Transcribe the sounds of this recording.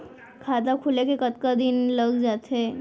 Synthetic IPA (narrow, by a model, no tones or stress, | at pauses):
kʰaːt̪akʰʊlekekət̪kad̪ɪnləɡd͡ʒaːt̪ɦeː